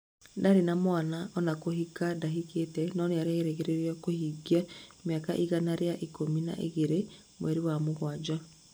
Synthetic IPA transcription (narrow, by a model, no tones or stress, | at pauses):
daɾenamwanaɔnakoɦikadaɦiketɛnɔneaɾeeɾeɣeɾeɾiɔkohiɡiameakaʔiɣanaɾeaʔikomina̰ʔḛɣeɾe | mwɛɾiwamoɣwad͡ʑa